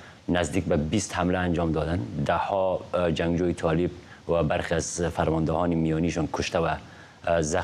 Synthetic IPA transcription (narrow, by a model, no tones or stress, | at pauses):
nazd̪iːk̚babist̪hamlaːnd͡ʒɔːmd̪ɒːd̪and̪ahɔd͡ʒaŋɡd͡ʒoːjit̪ʰɒːlib̚ | wabaɾxiazfaɾmɔnd̪ɪhɒːnimijɔniʃɔnkʰʊʃt̪awa | za